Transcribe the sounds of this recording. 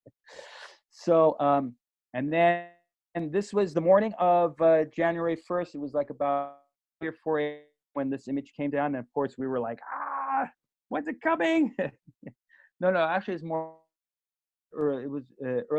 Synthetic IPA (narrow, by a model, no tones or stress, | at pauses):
soʊʔʌ̃m | ɨ̃nðɨ̃ | nðɪswʌzðəmɔɹɾ̃ɪ̃ŋʌvʌd͡ʒæ̃njuɛɹifɜ˞stɨt̚wʌzlaɪkəbaʊ | iə˞fɔɹe | wɨ̃nðɪsɪ̃mɨd̥ʒ̥kʰẽɪ̃mdãʊ̃nɨ̃nʌv̥kʰɔɹswiwə˞laɪkha | wʌ̃nzɨt̚kʰʌmɪ̃ŋ | noʊnoʊæk̚t͡ʃʉl̩ˠis̬mɔ | ɜ˞ɪt̚wʌzʌɜ˞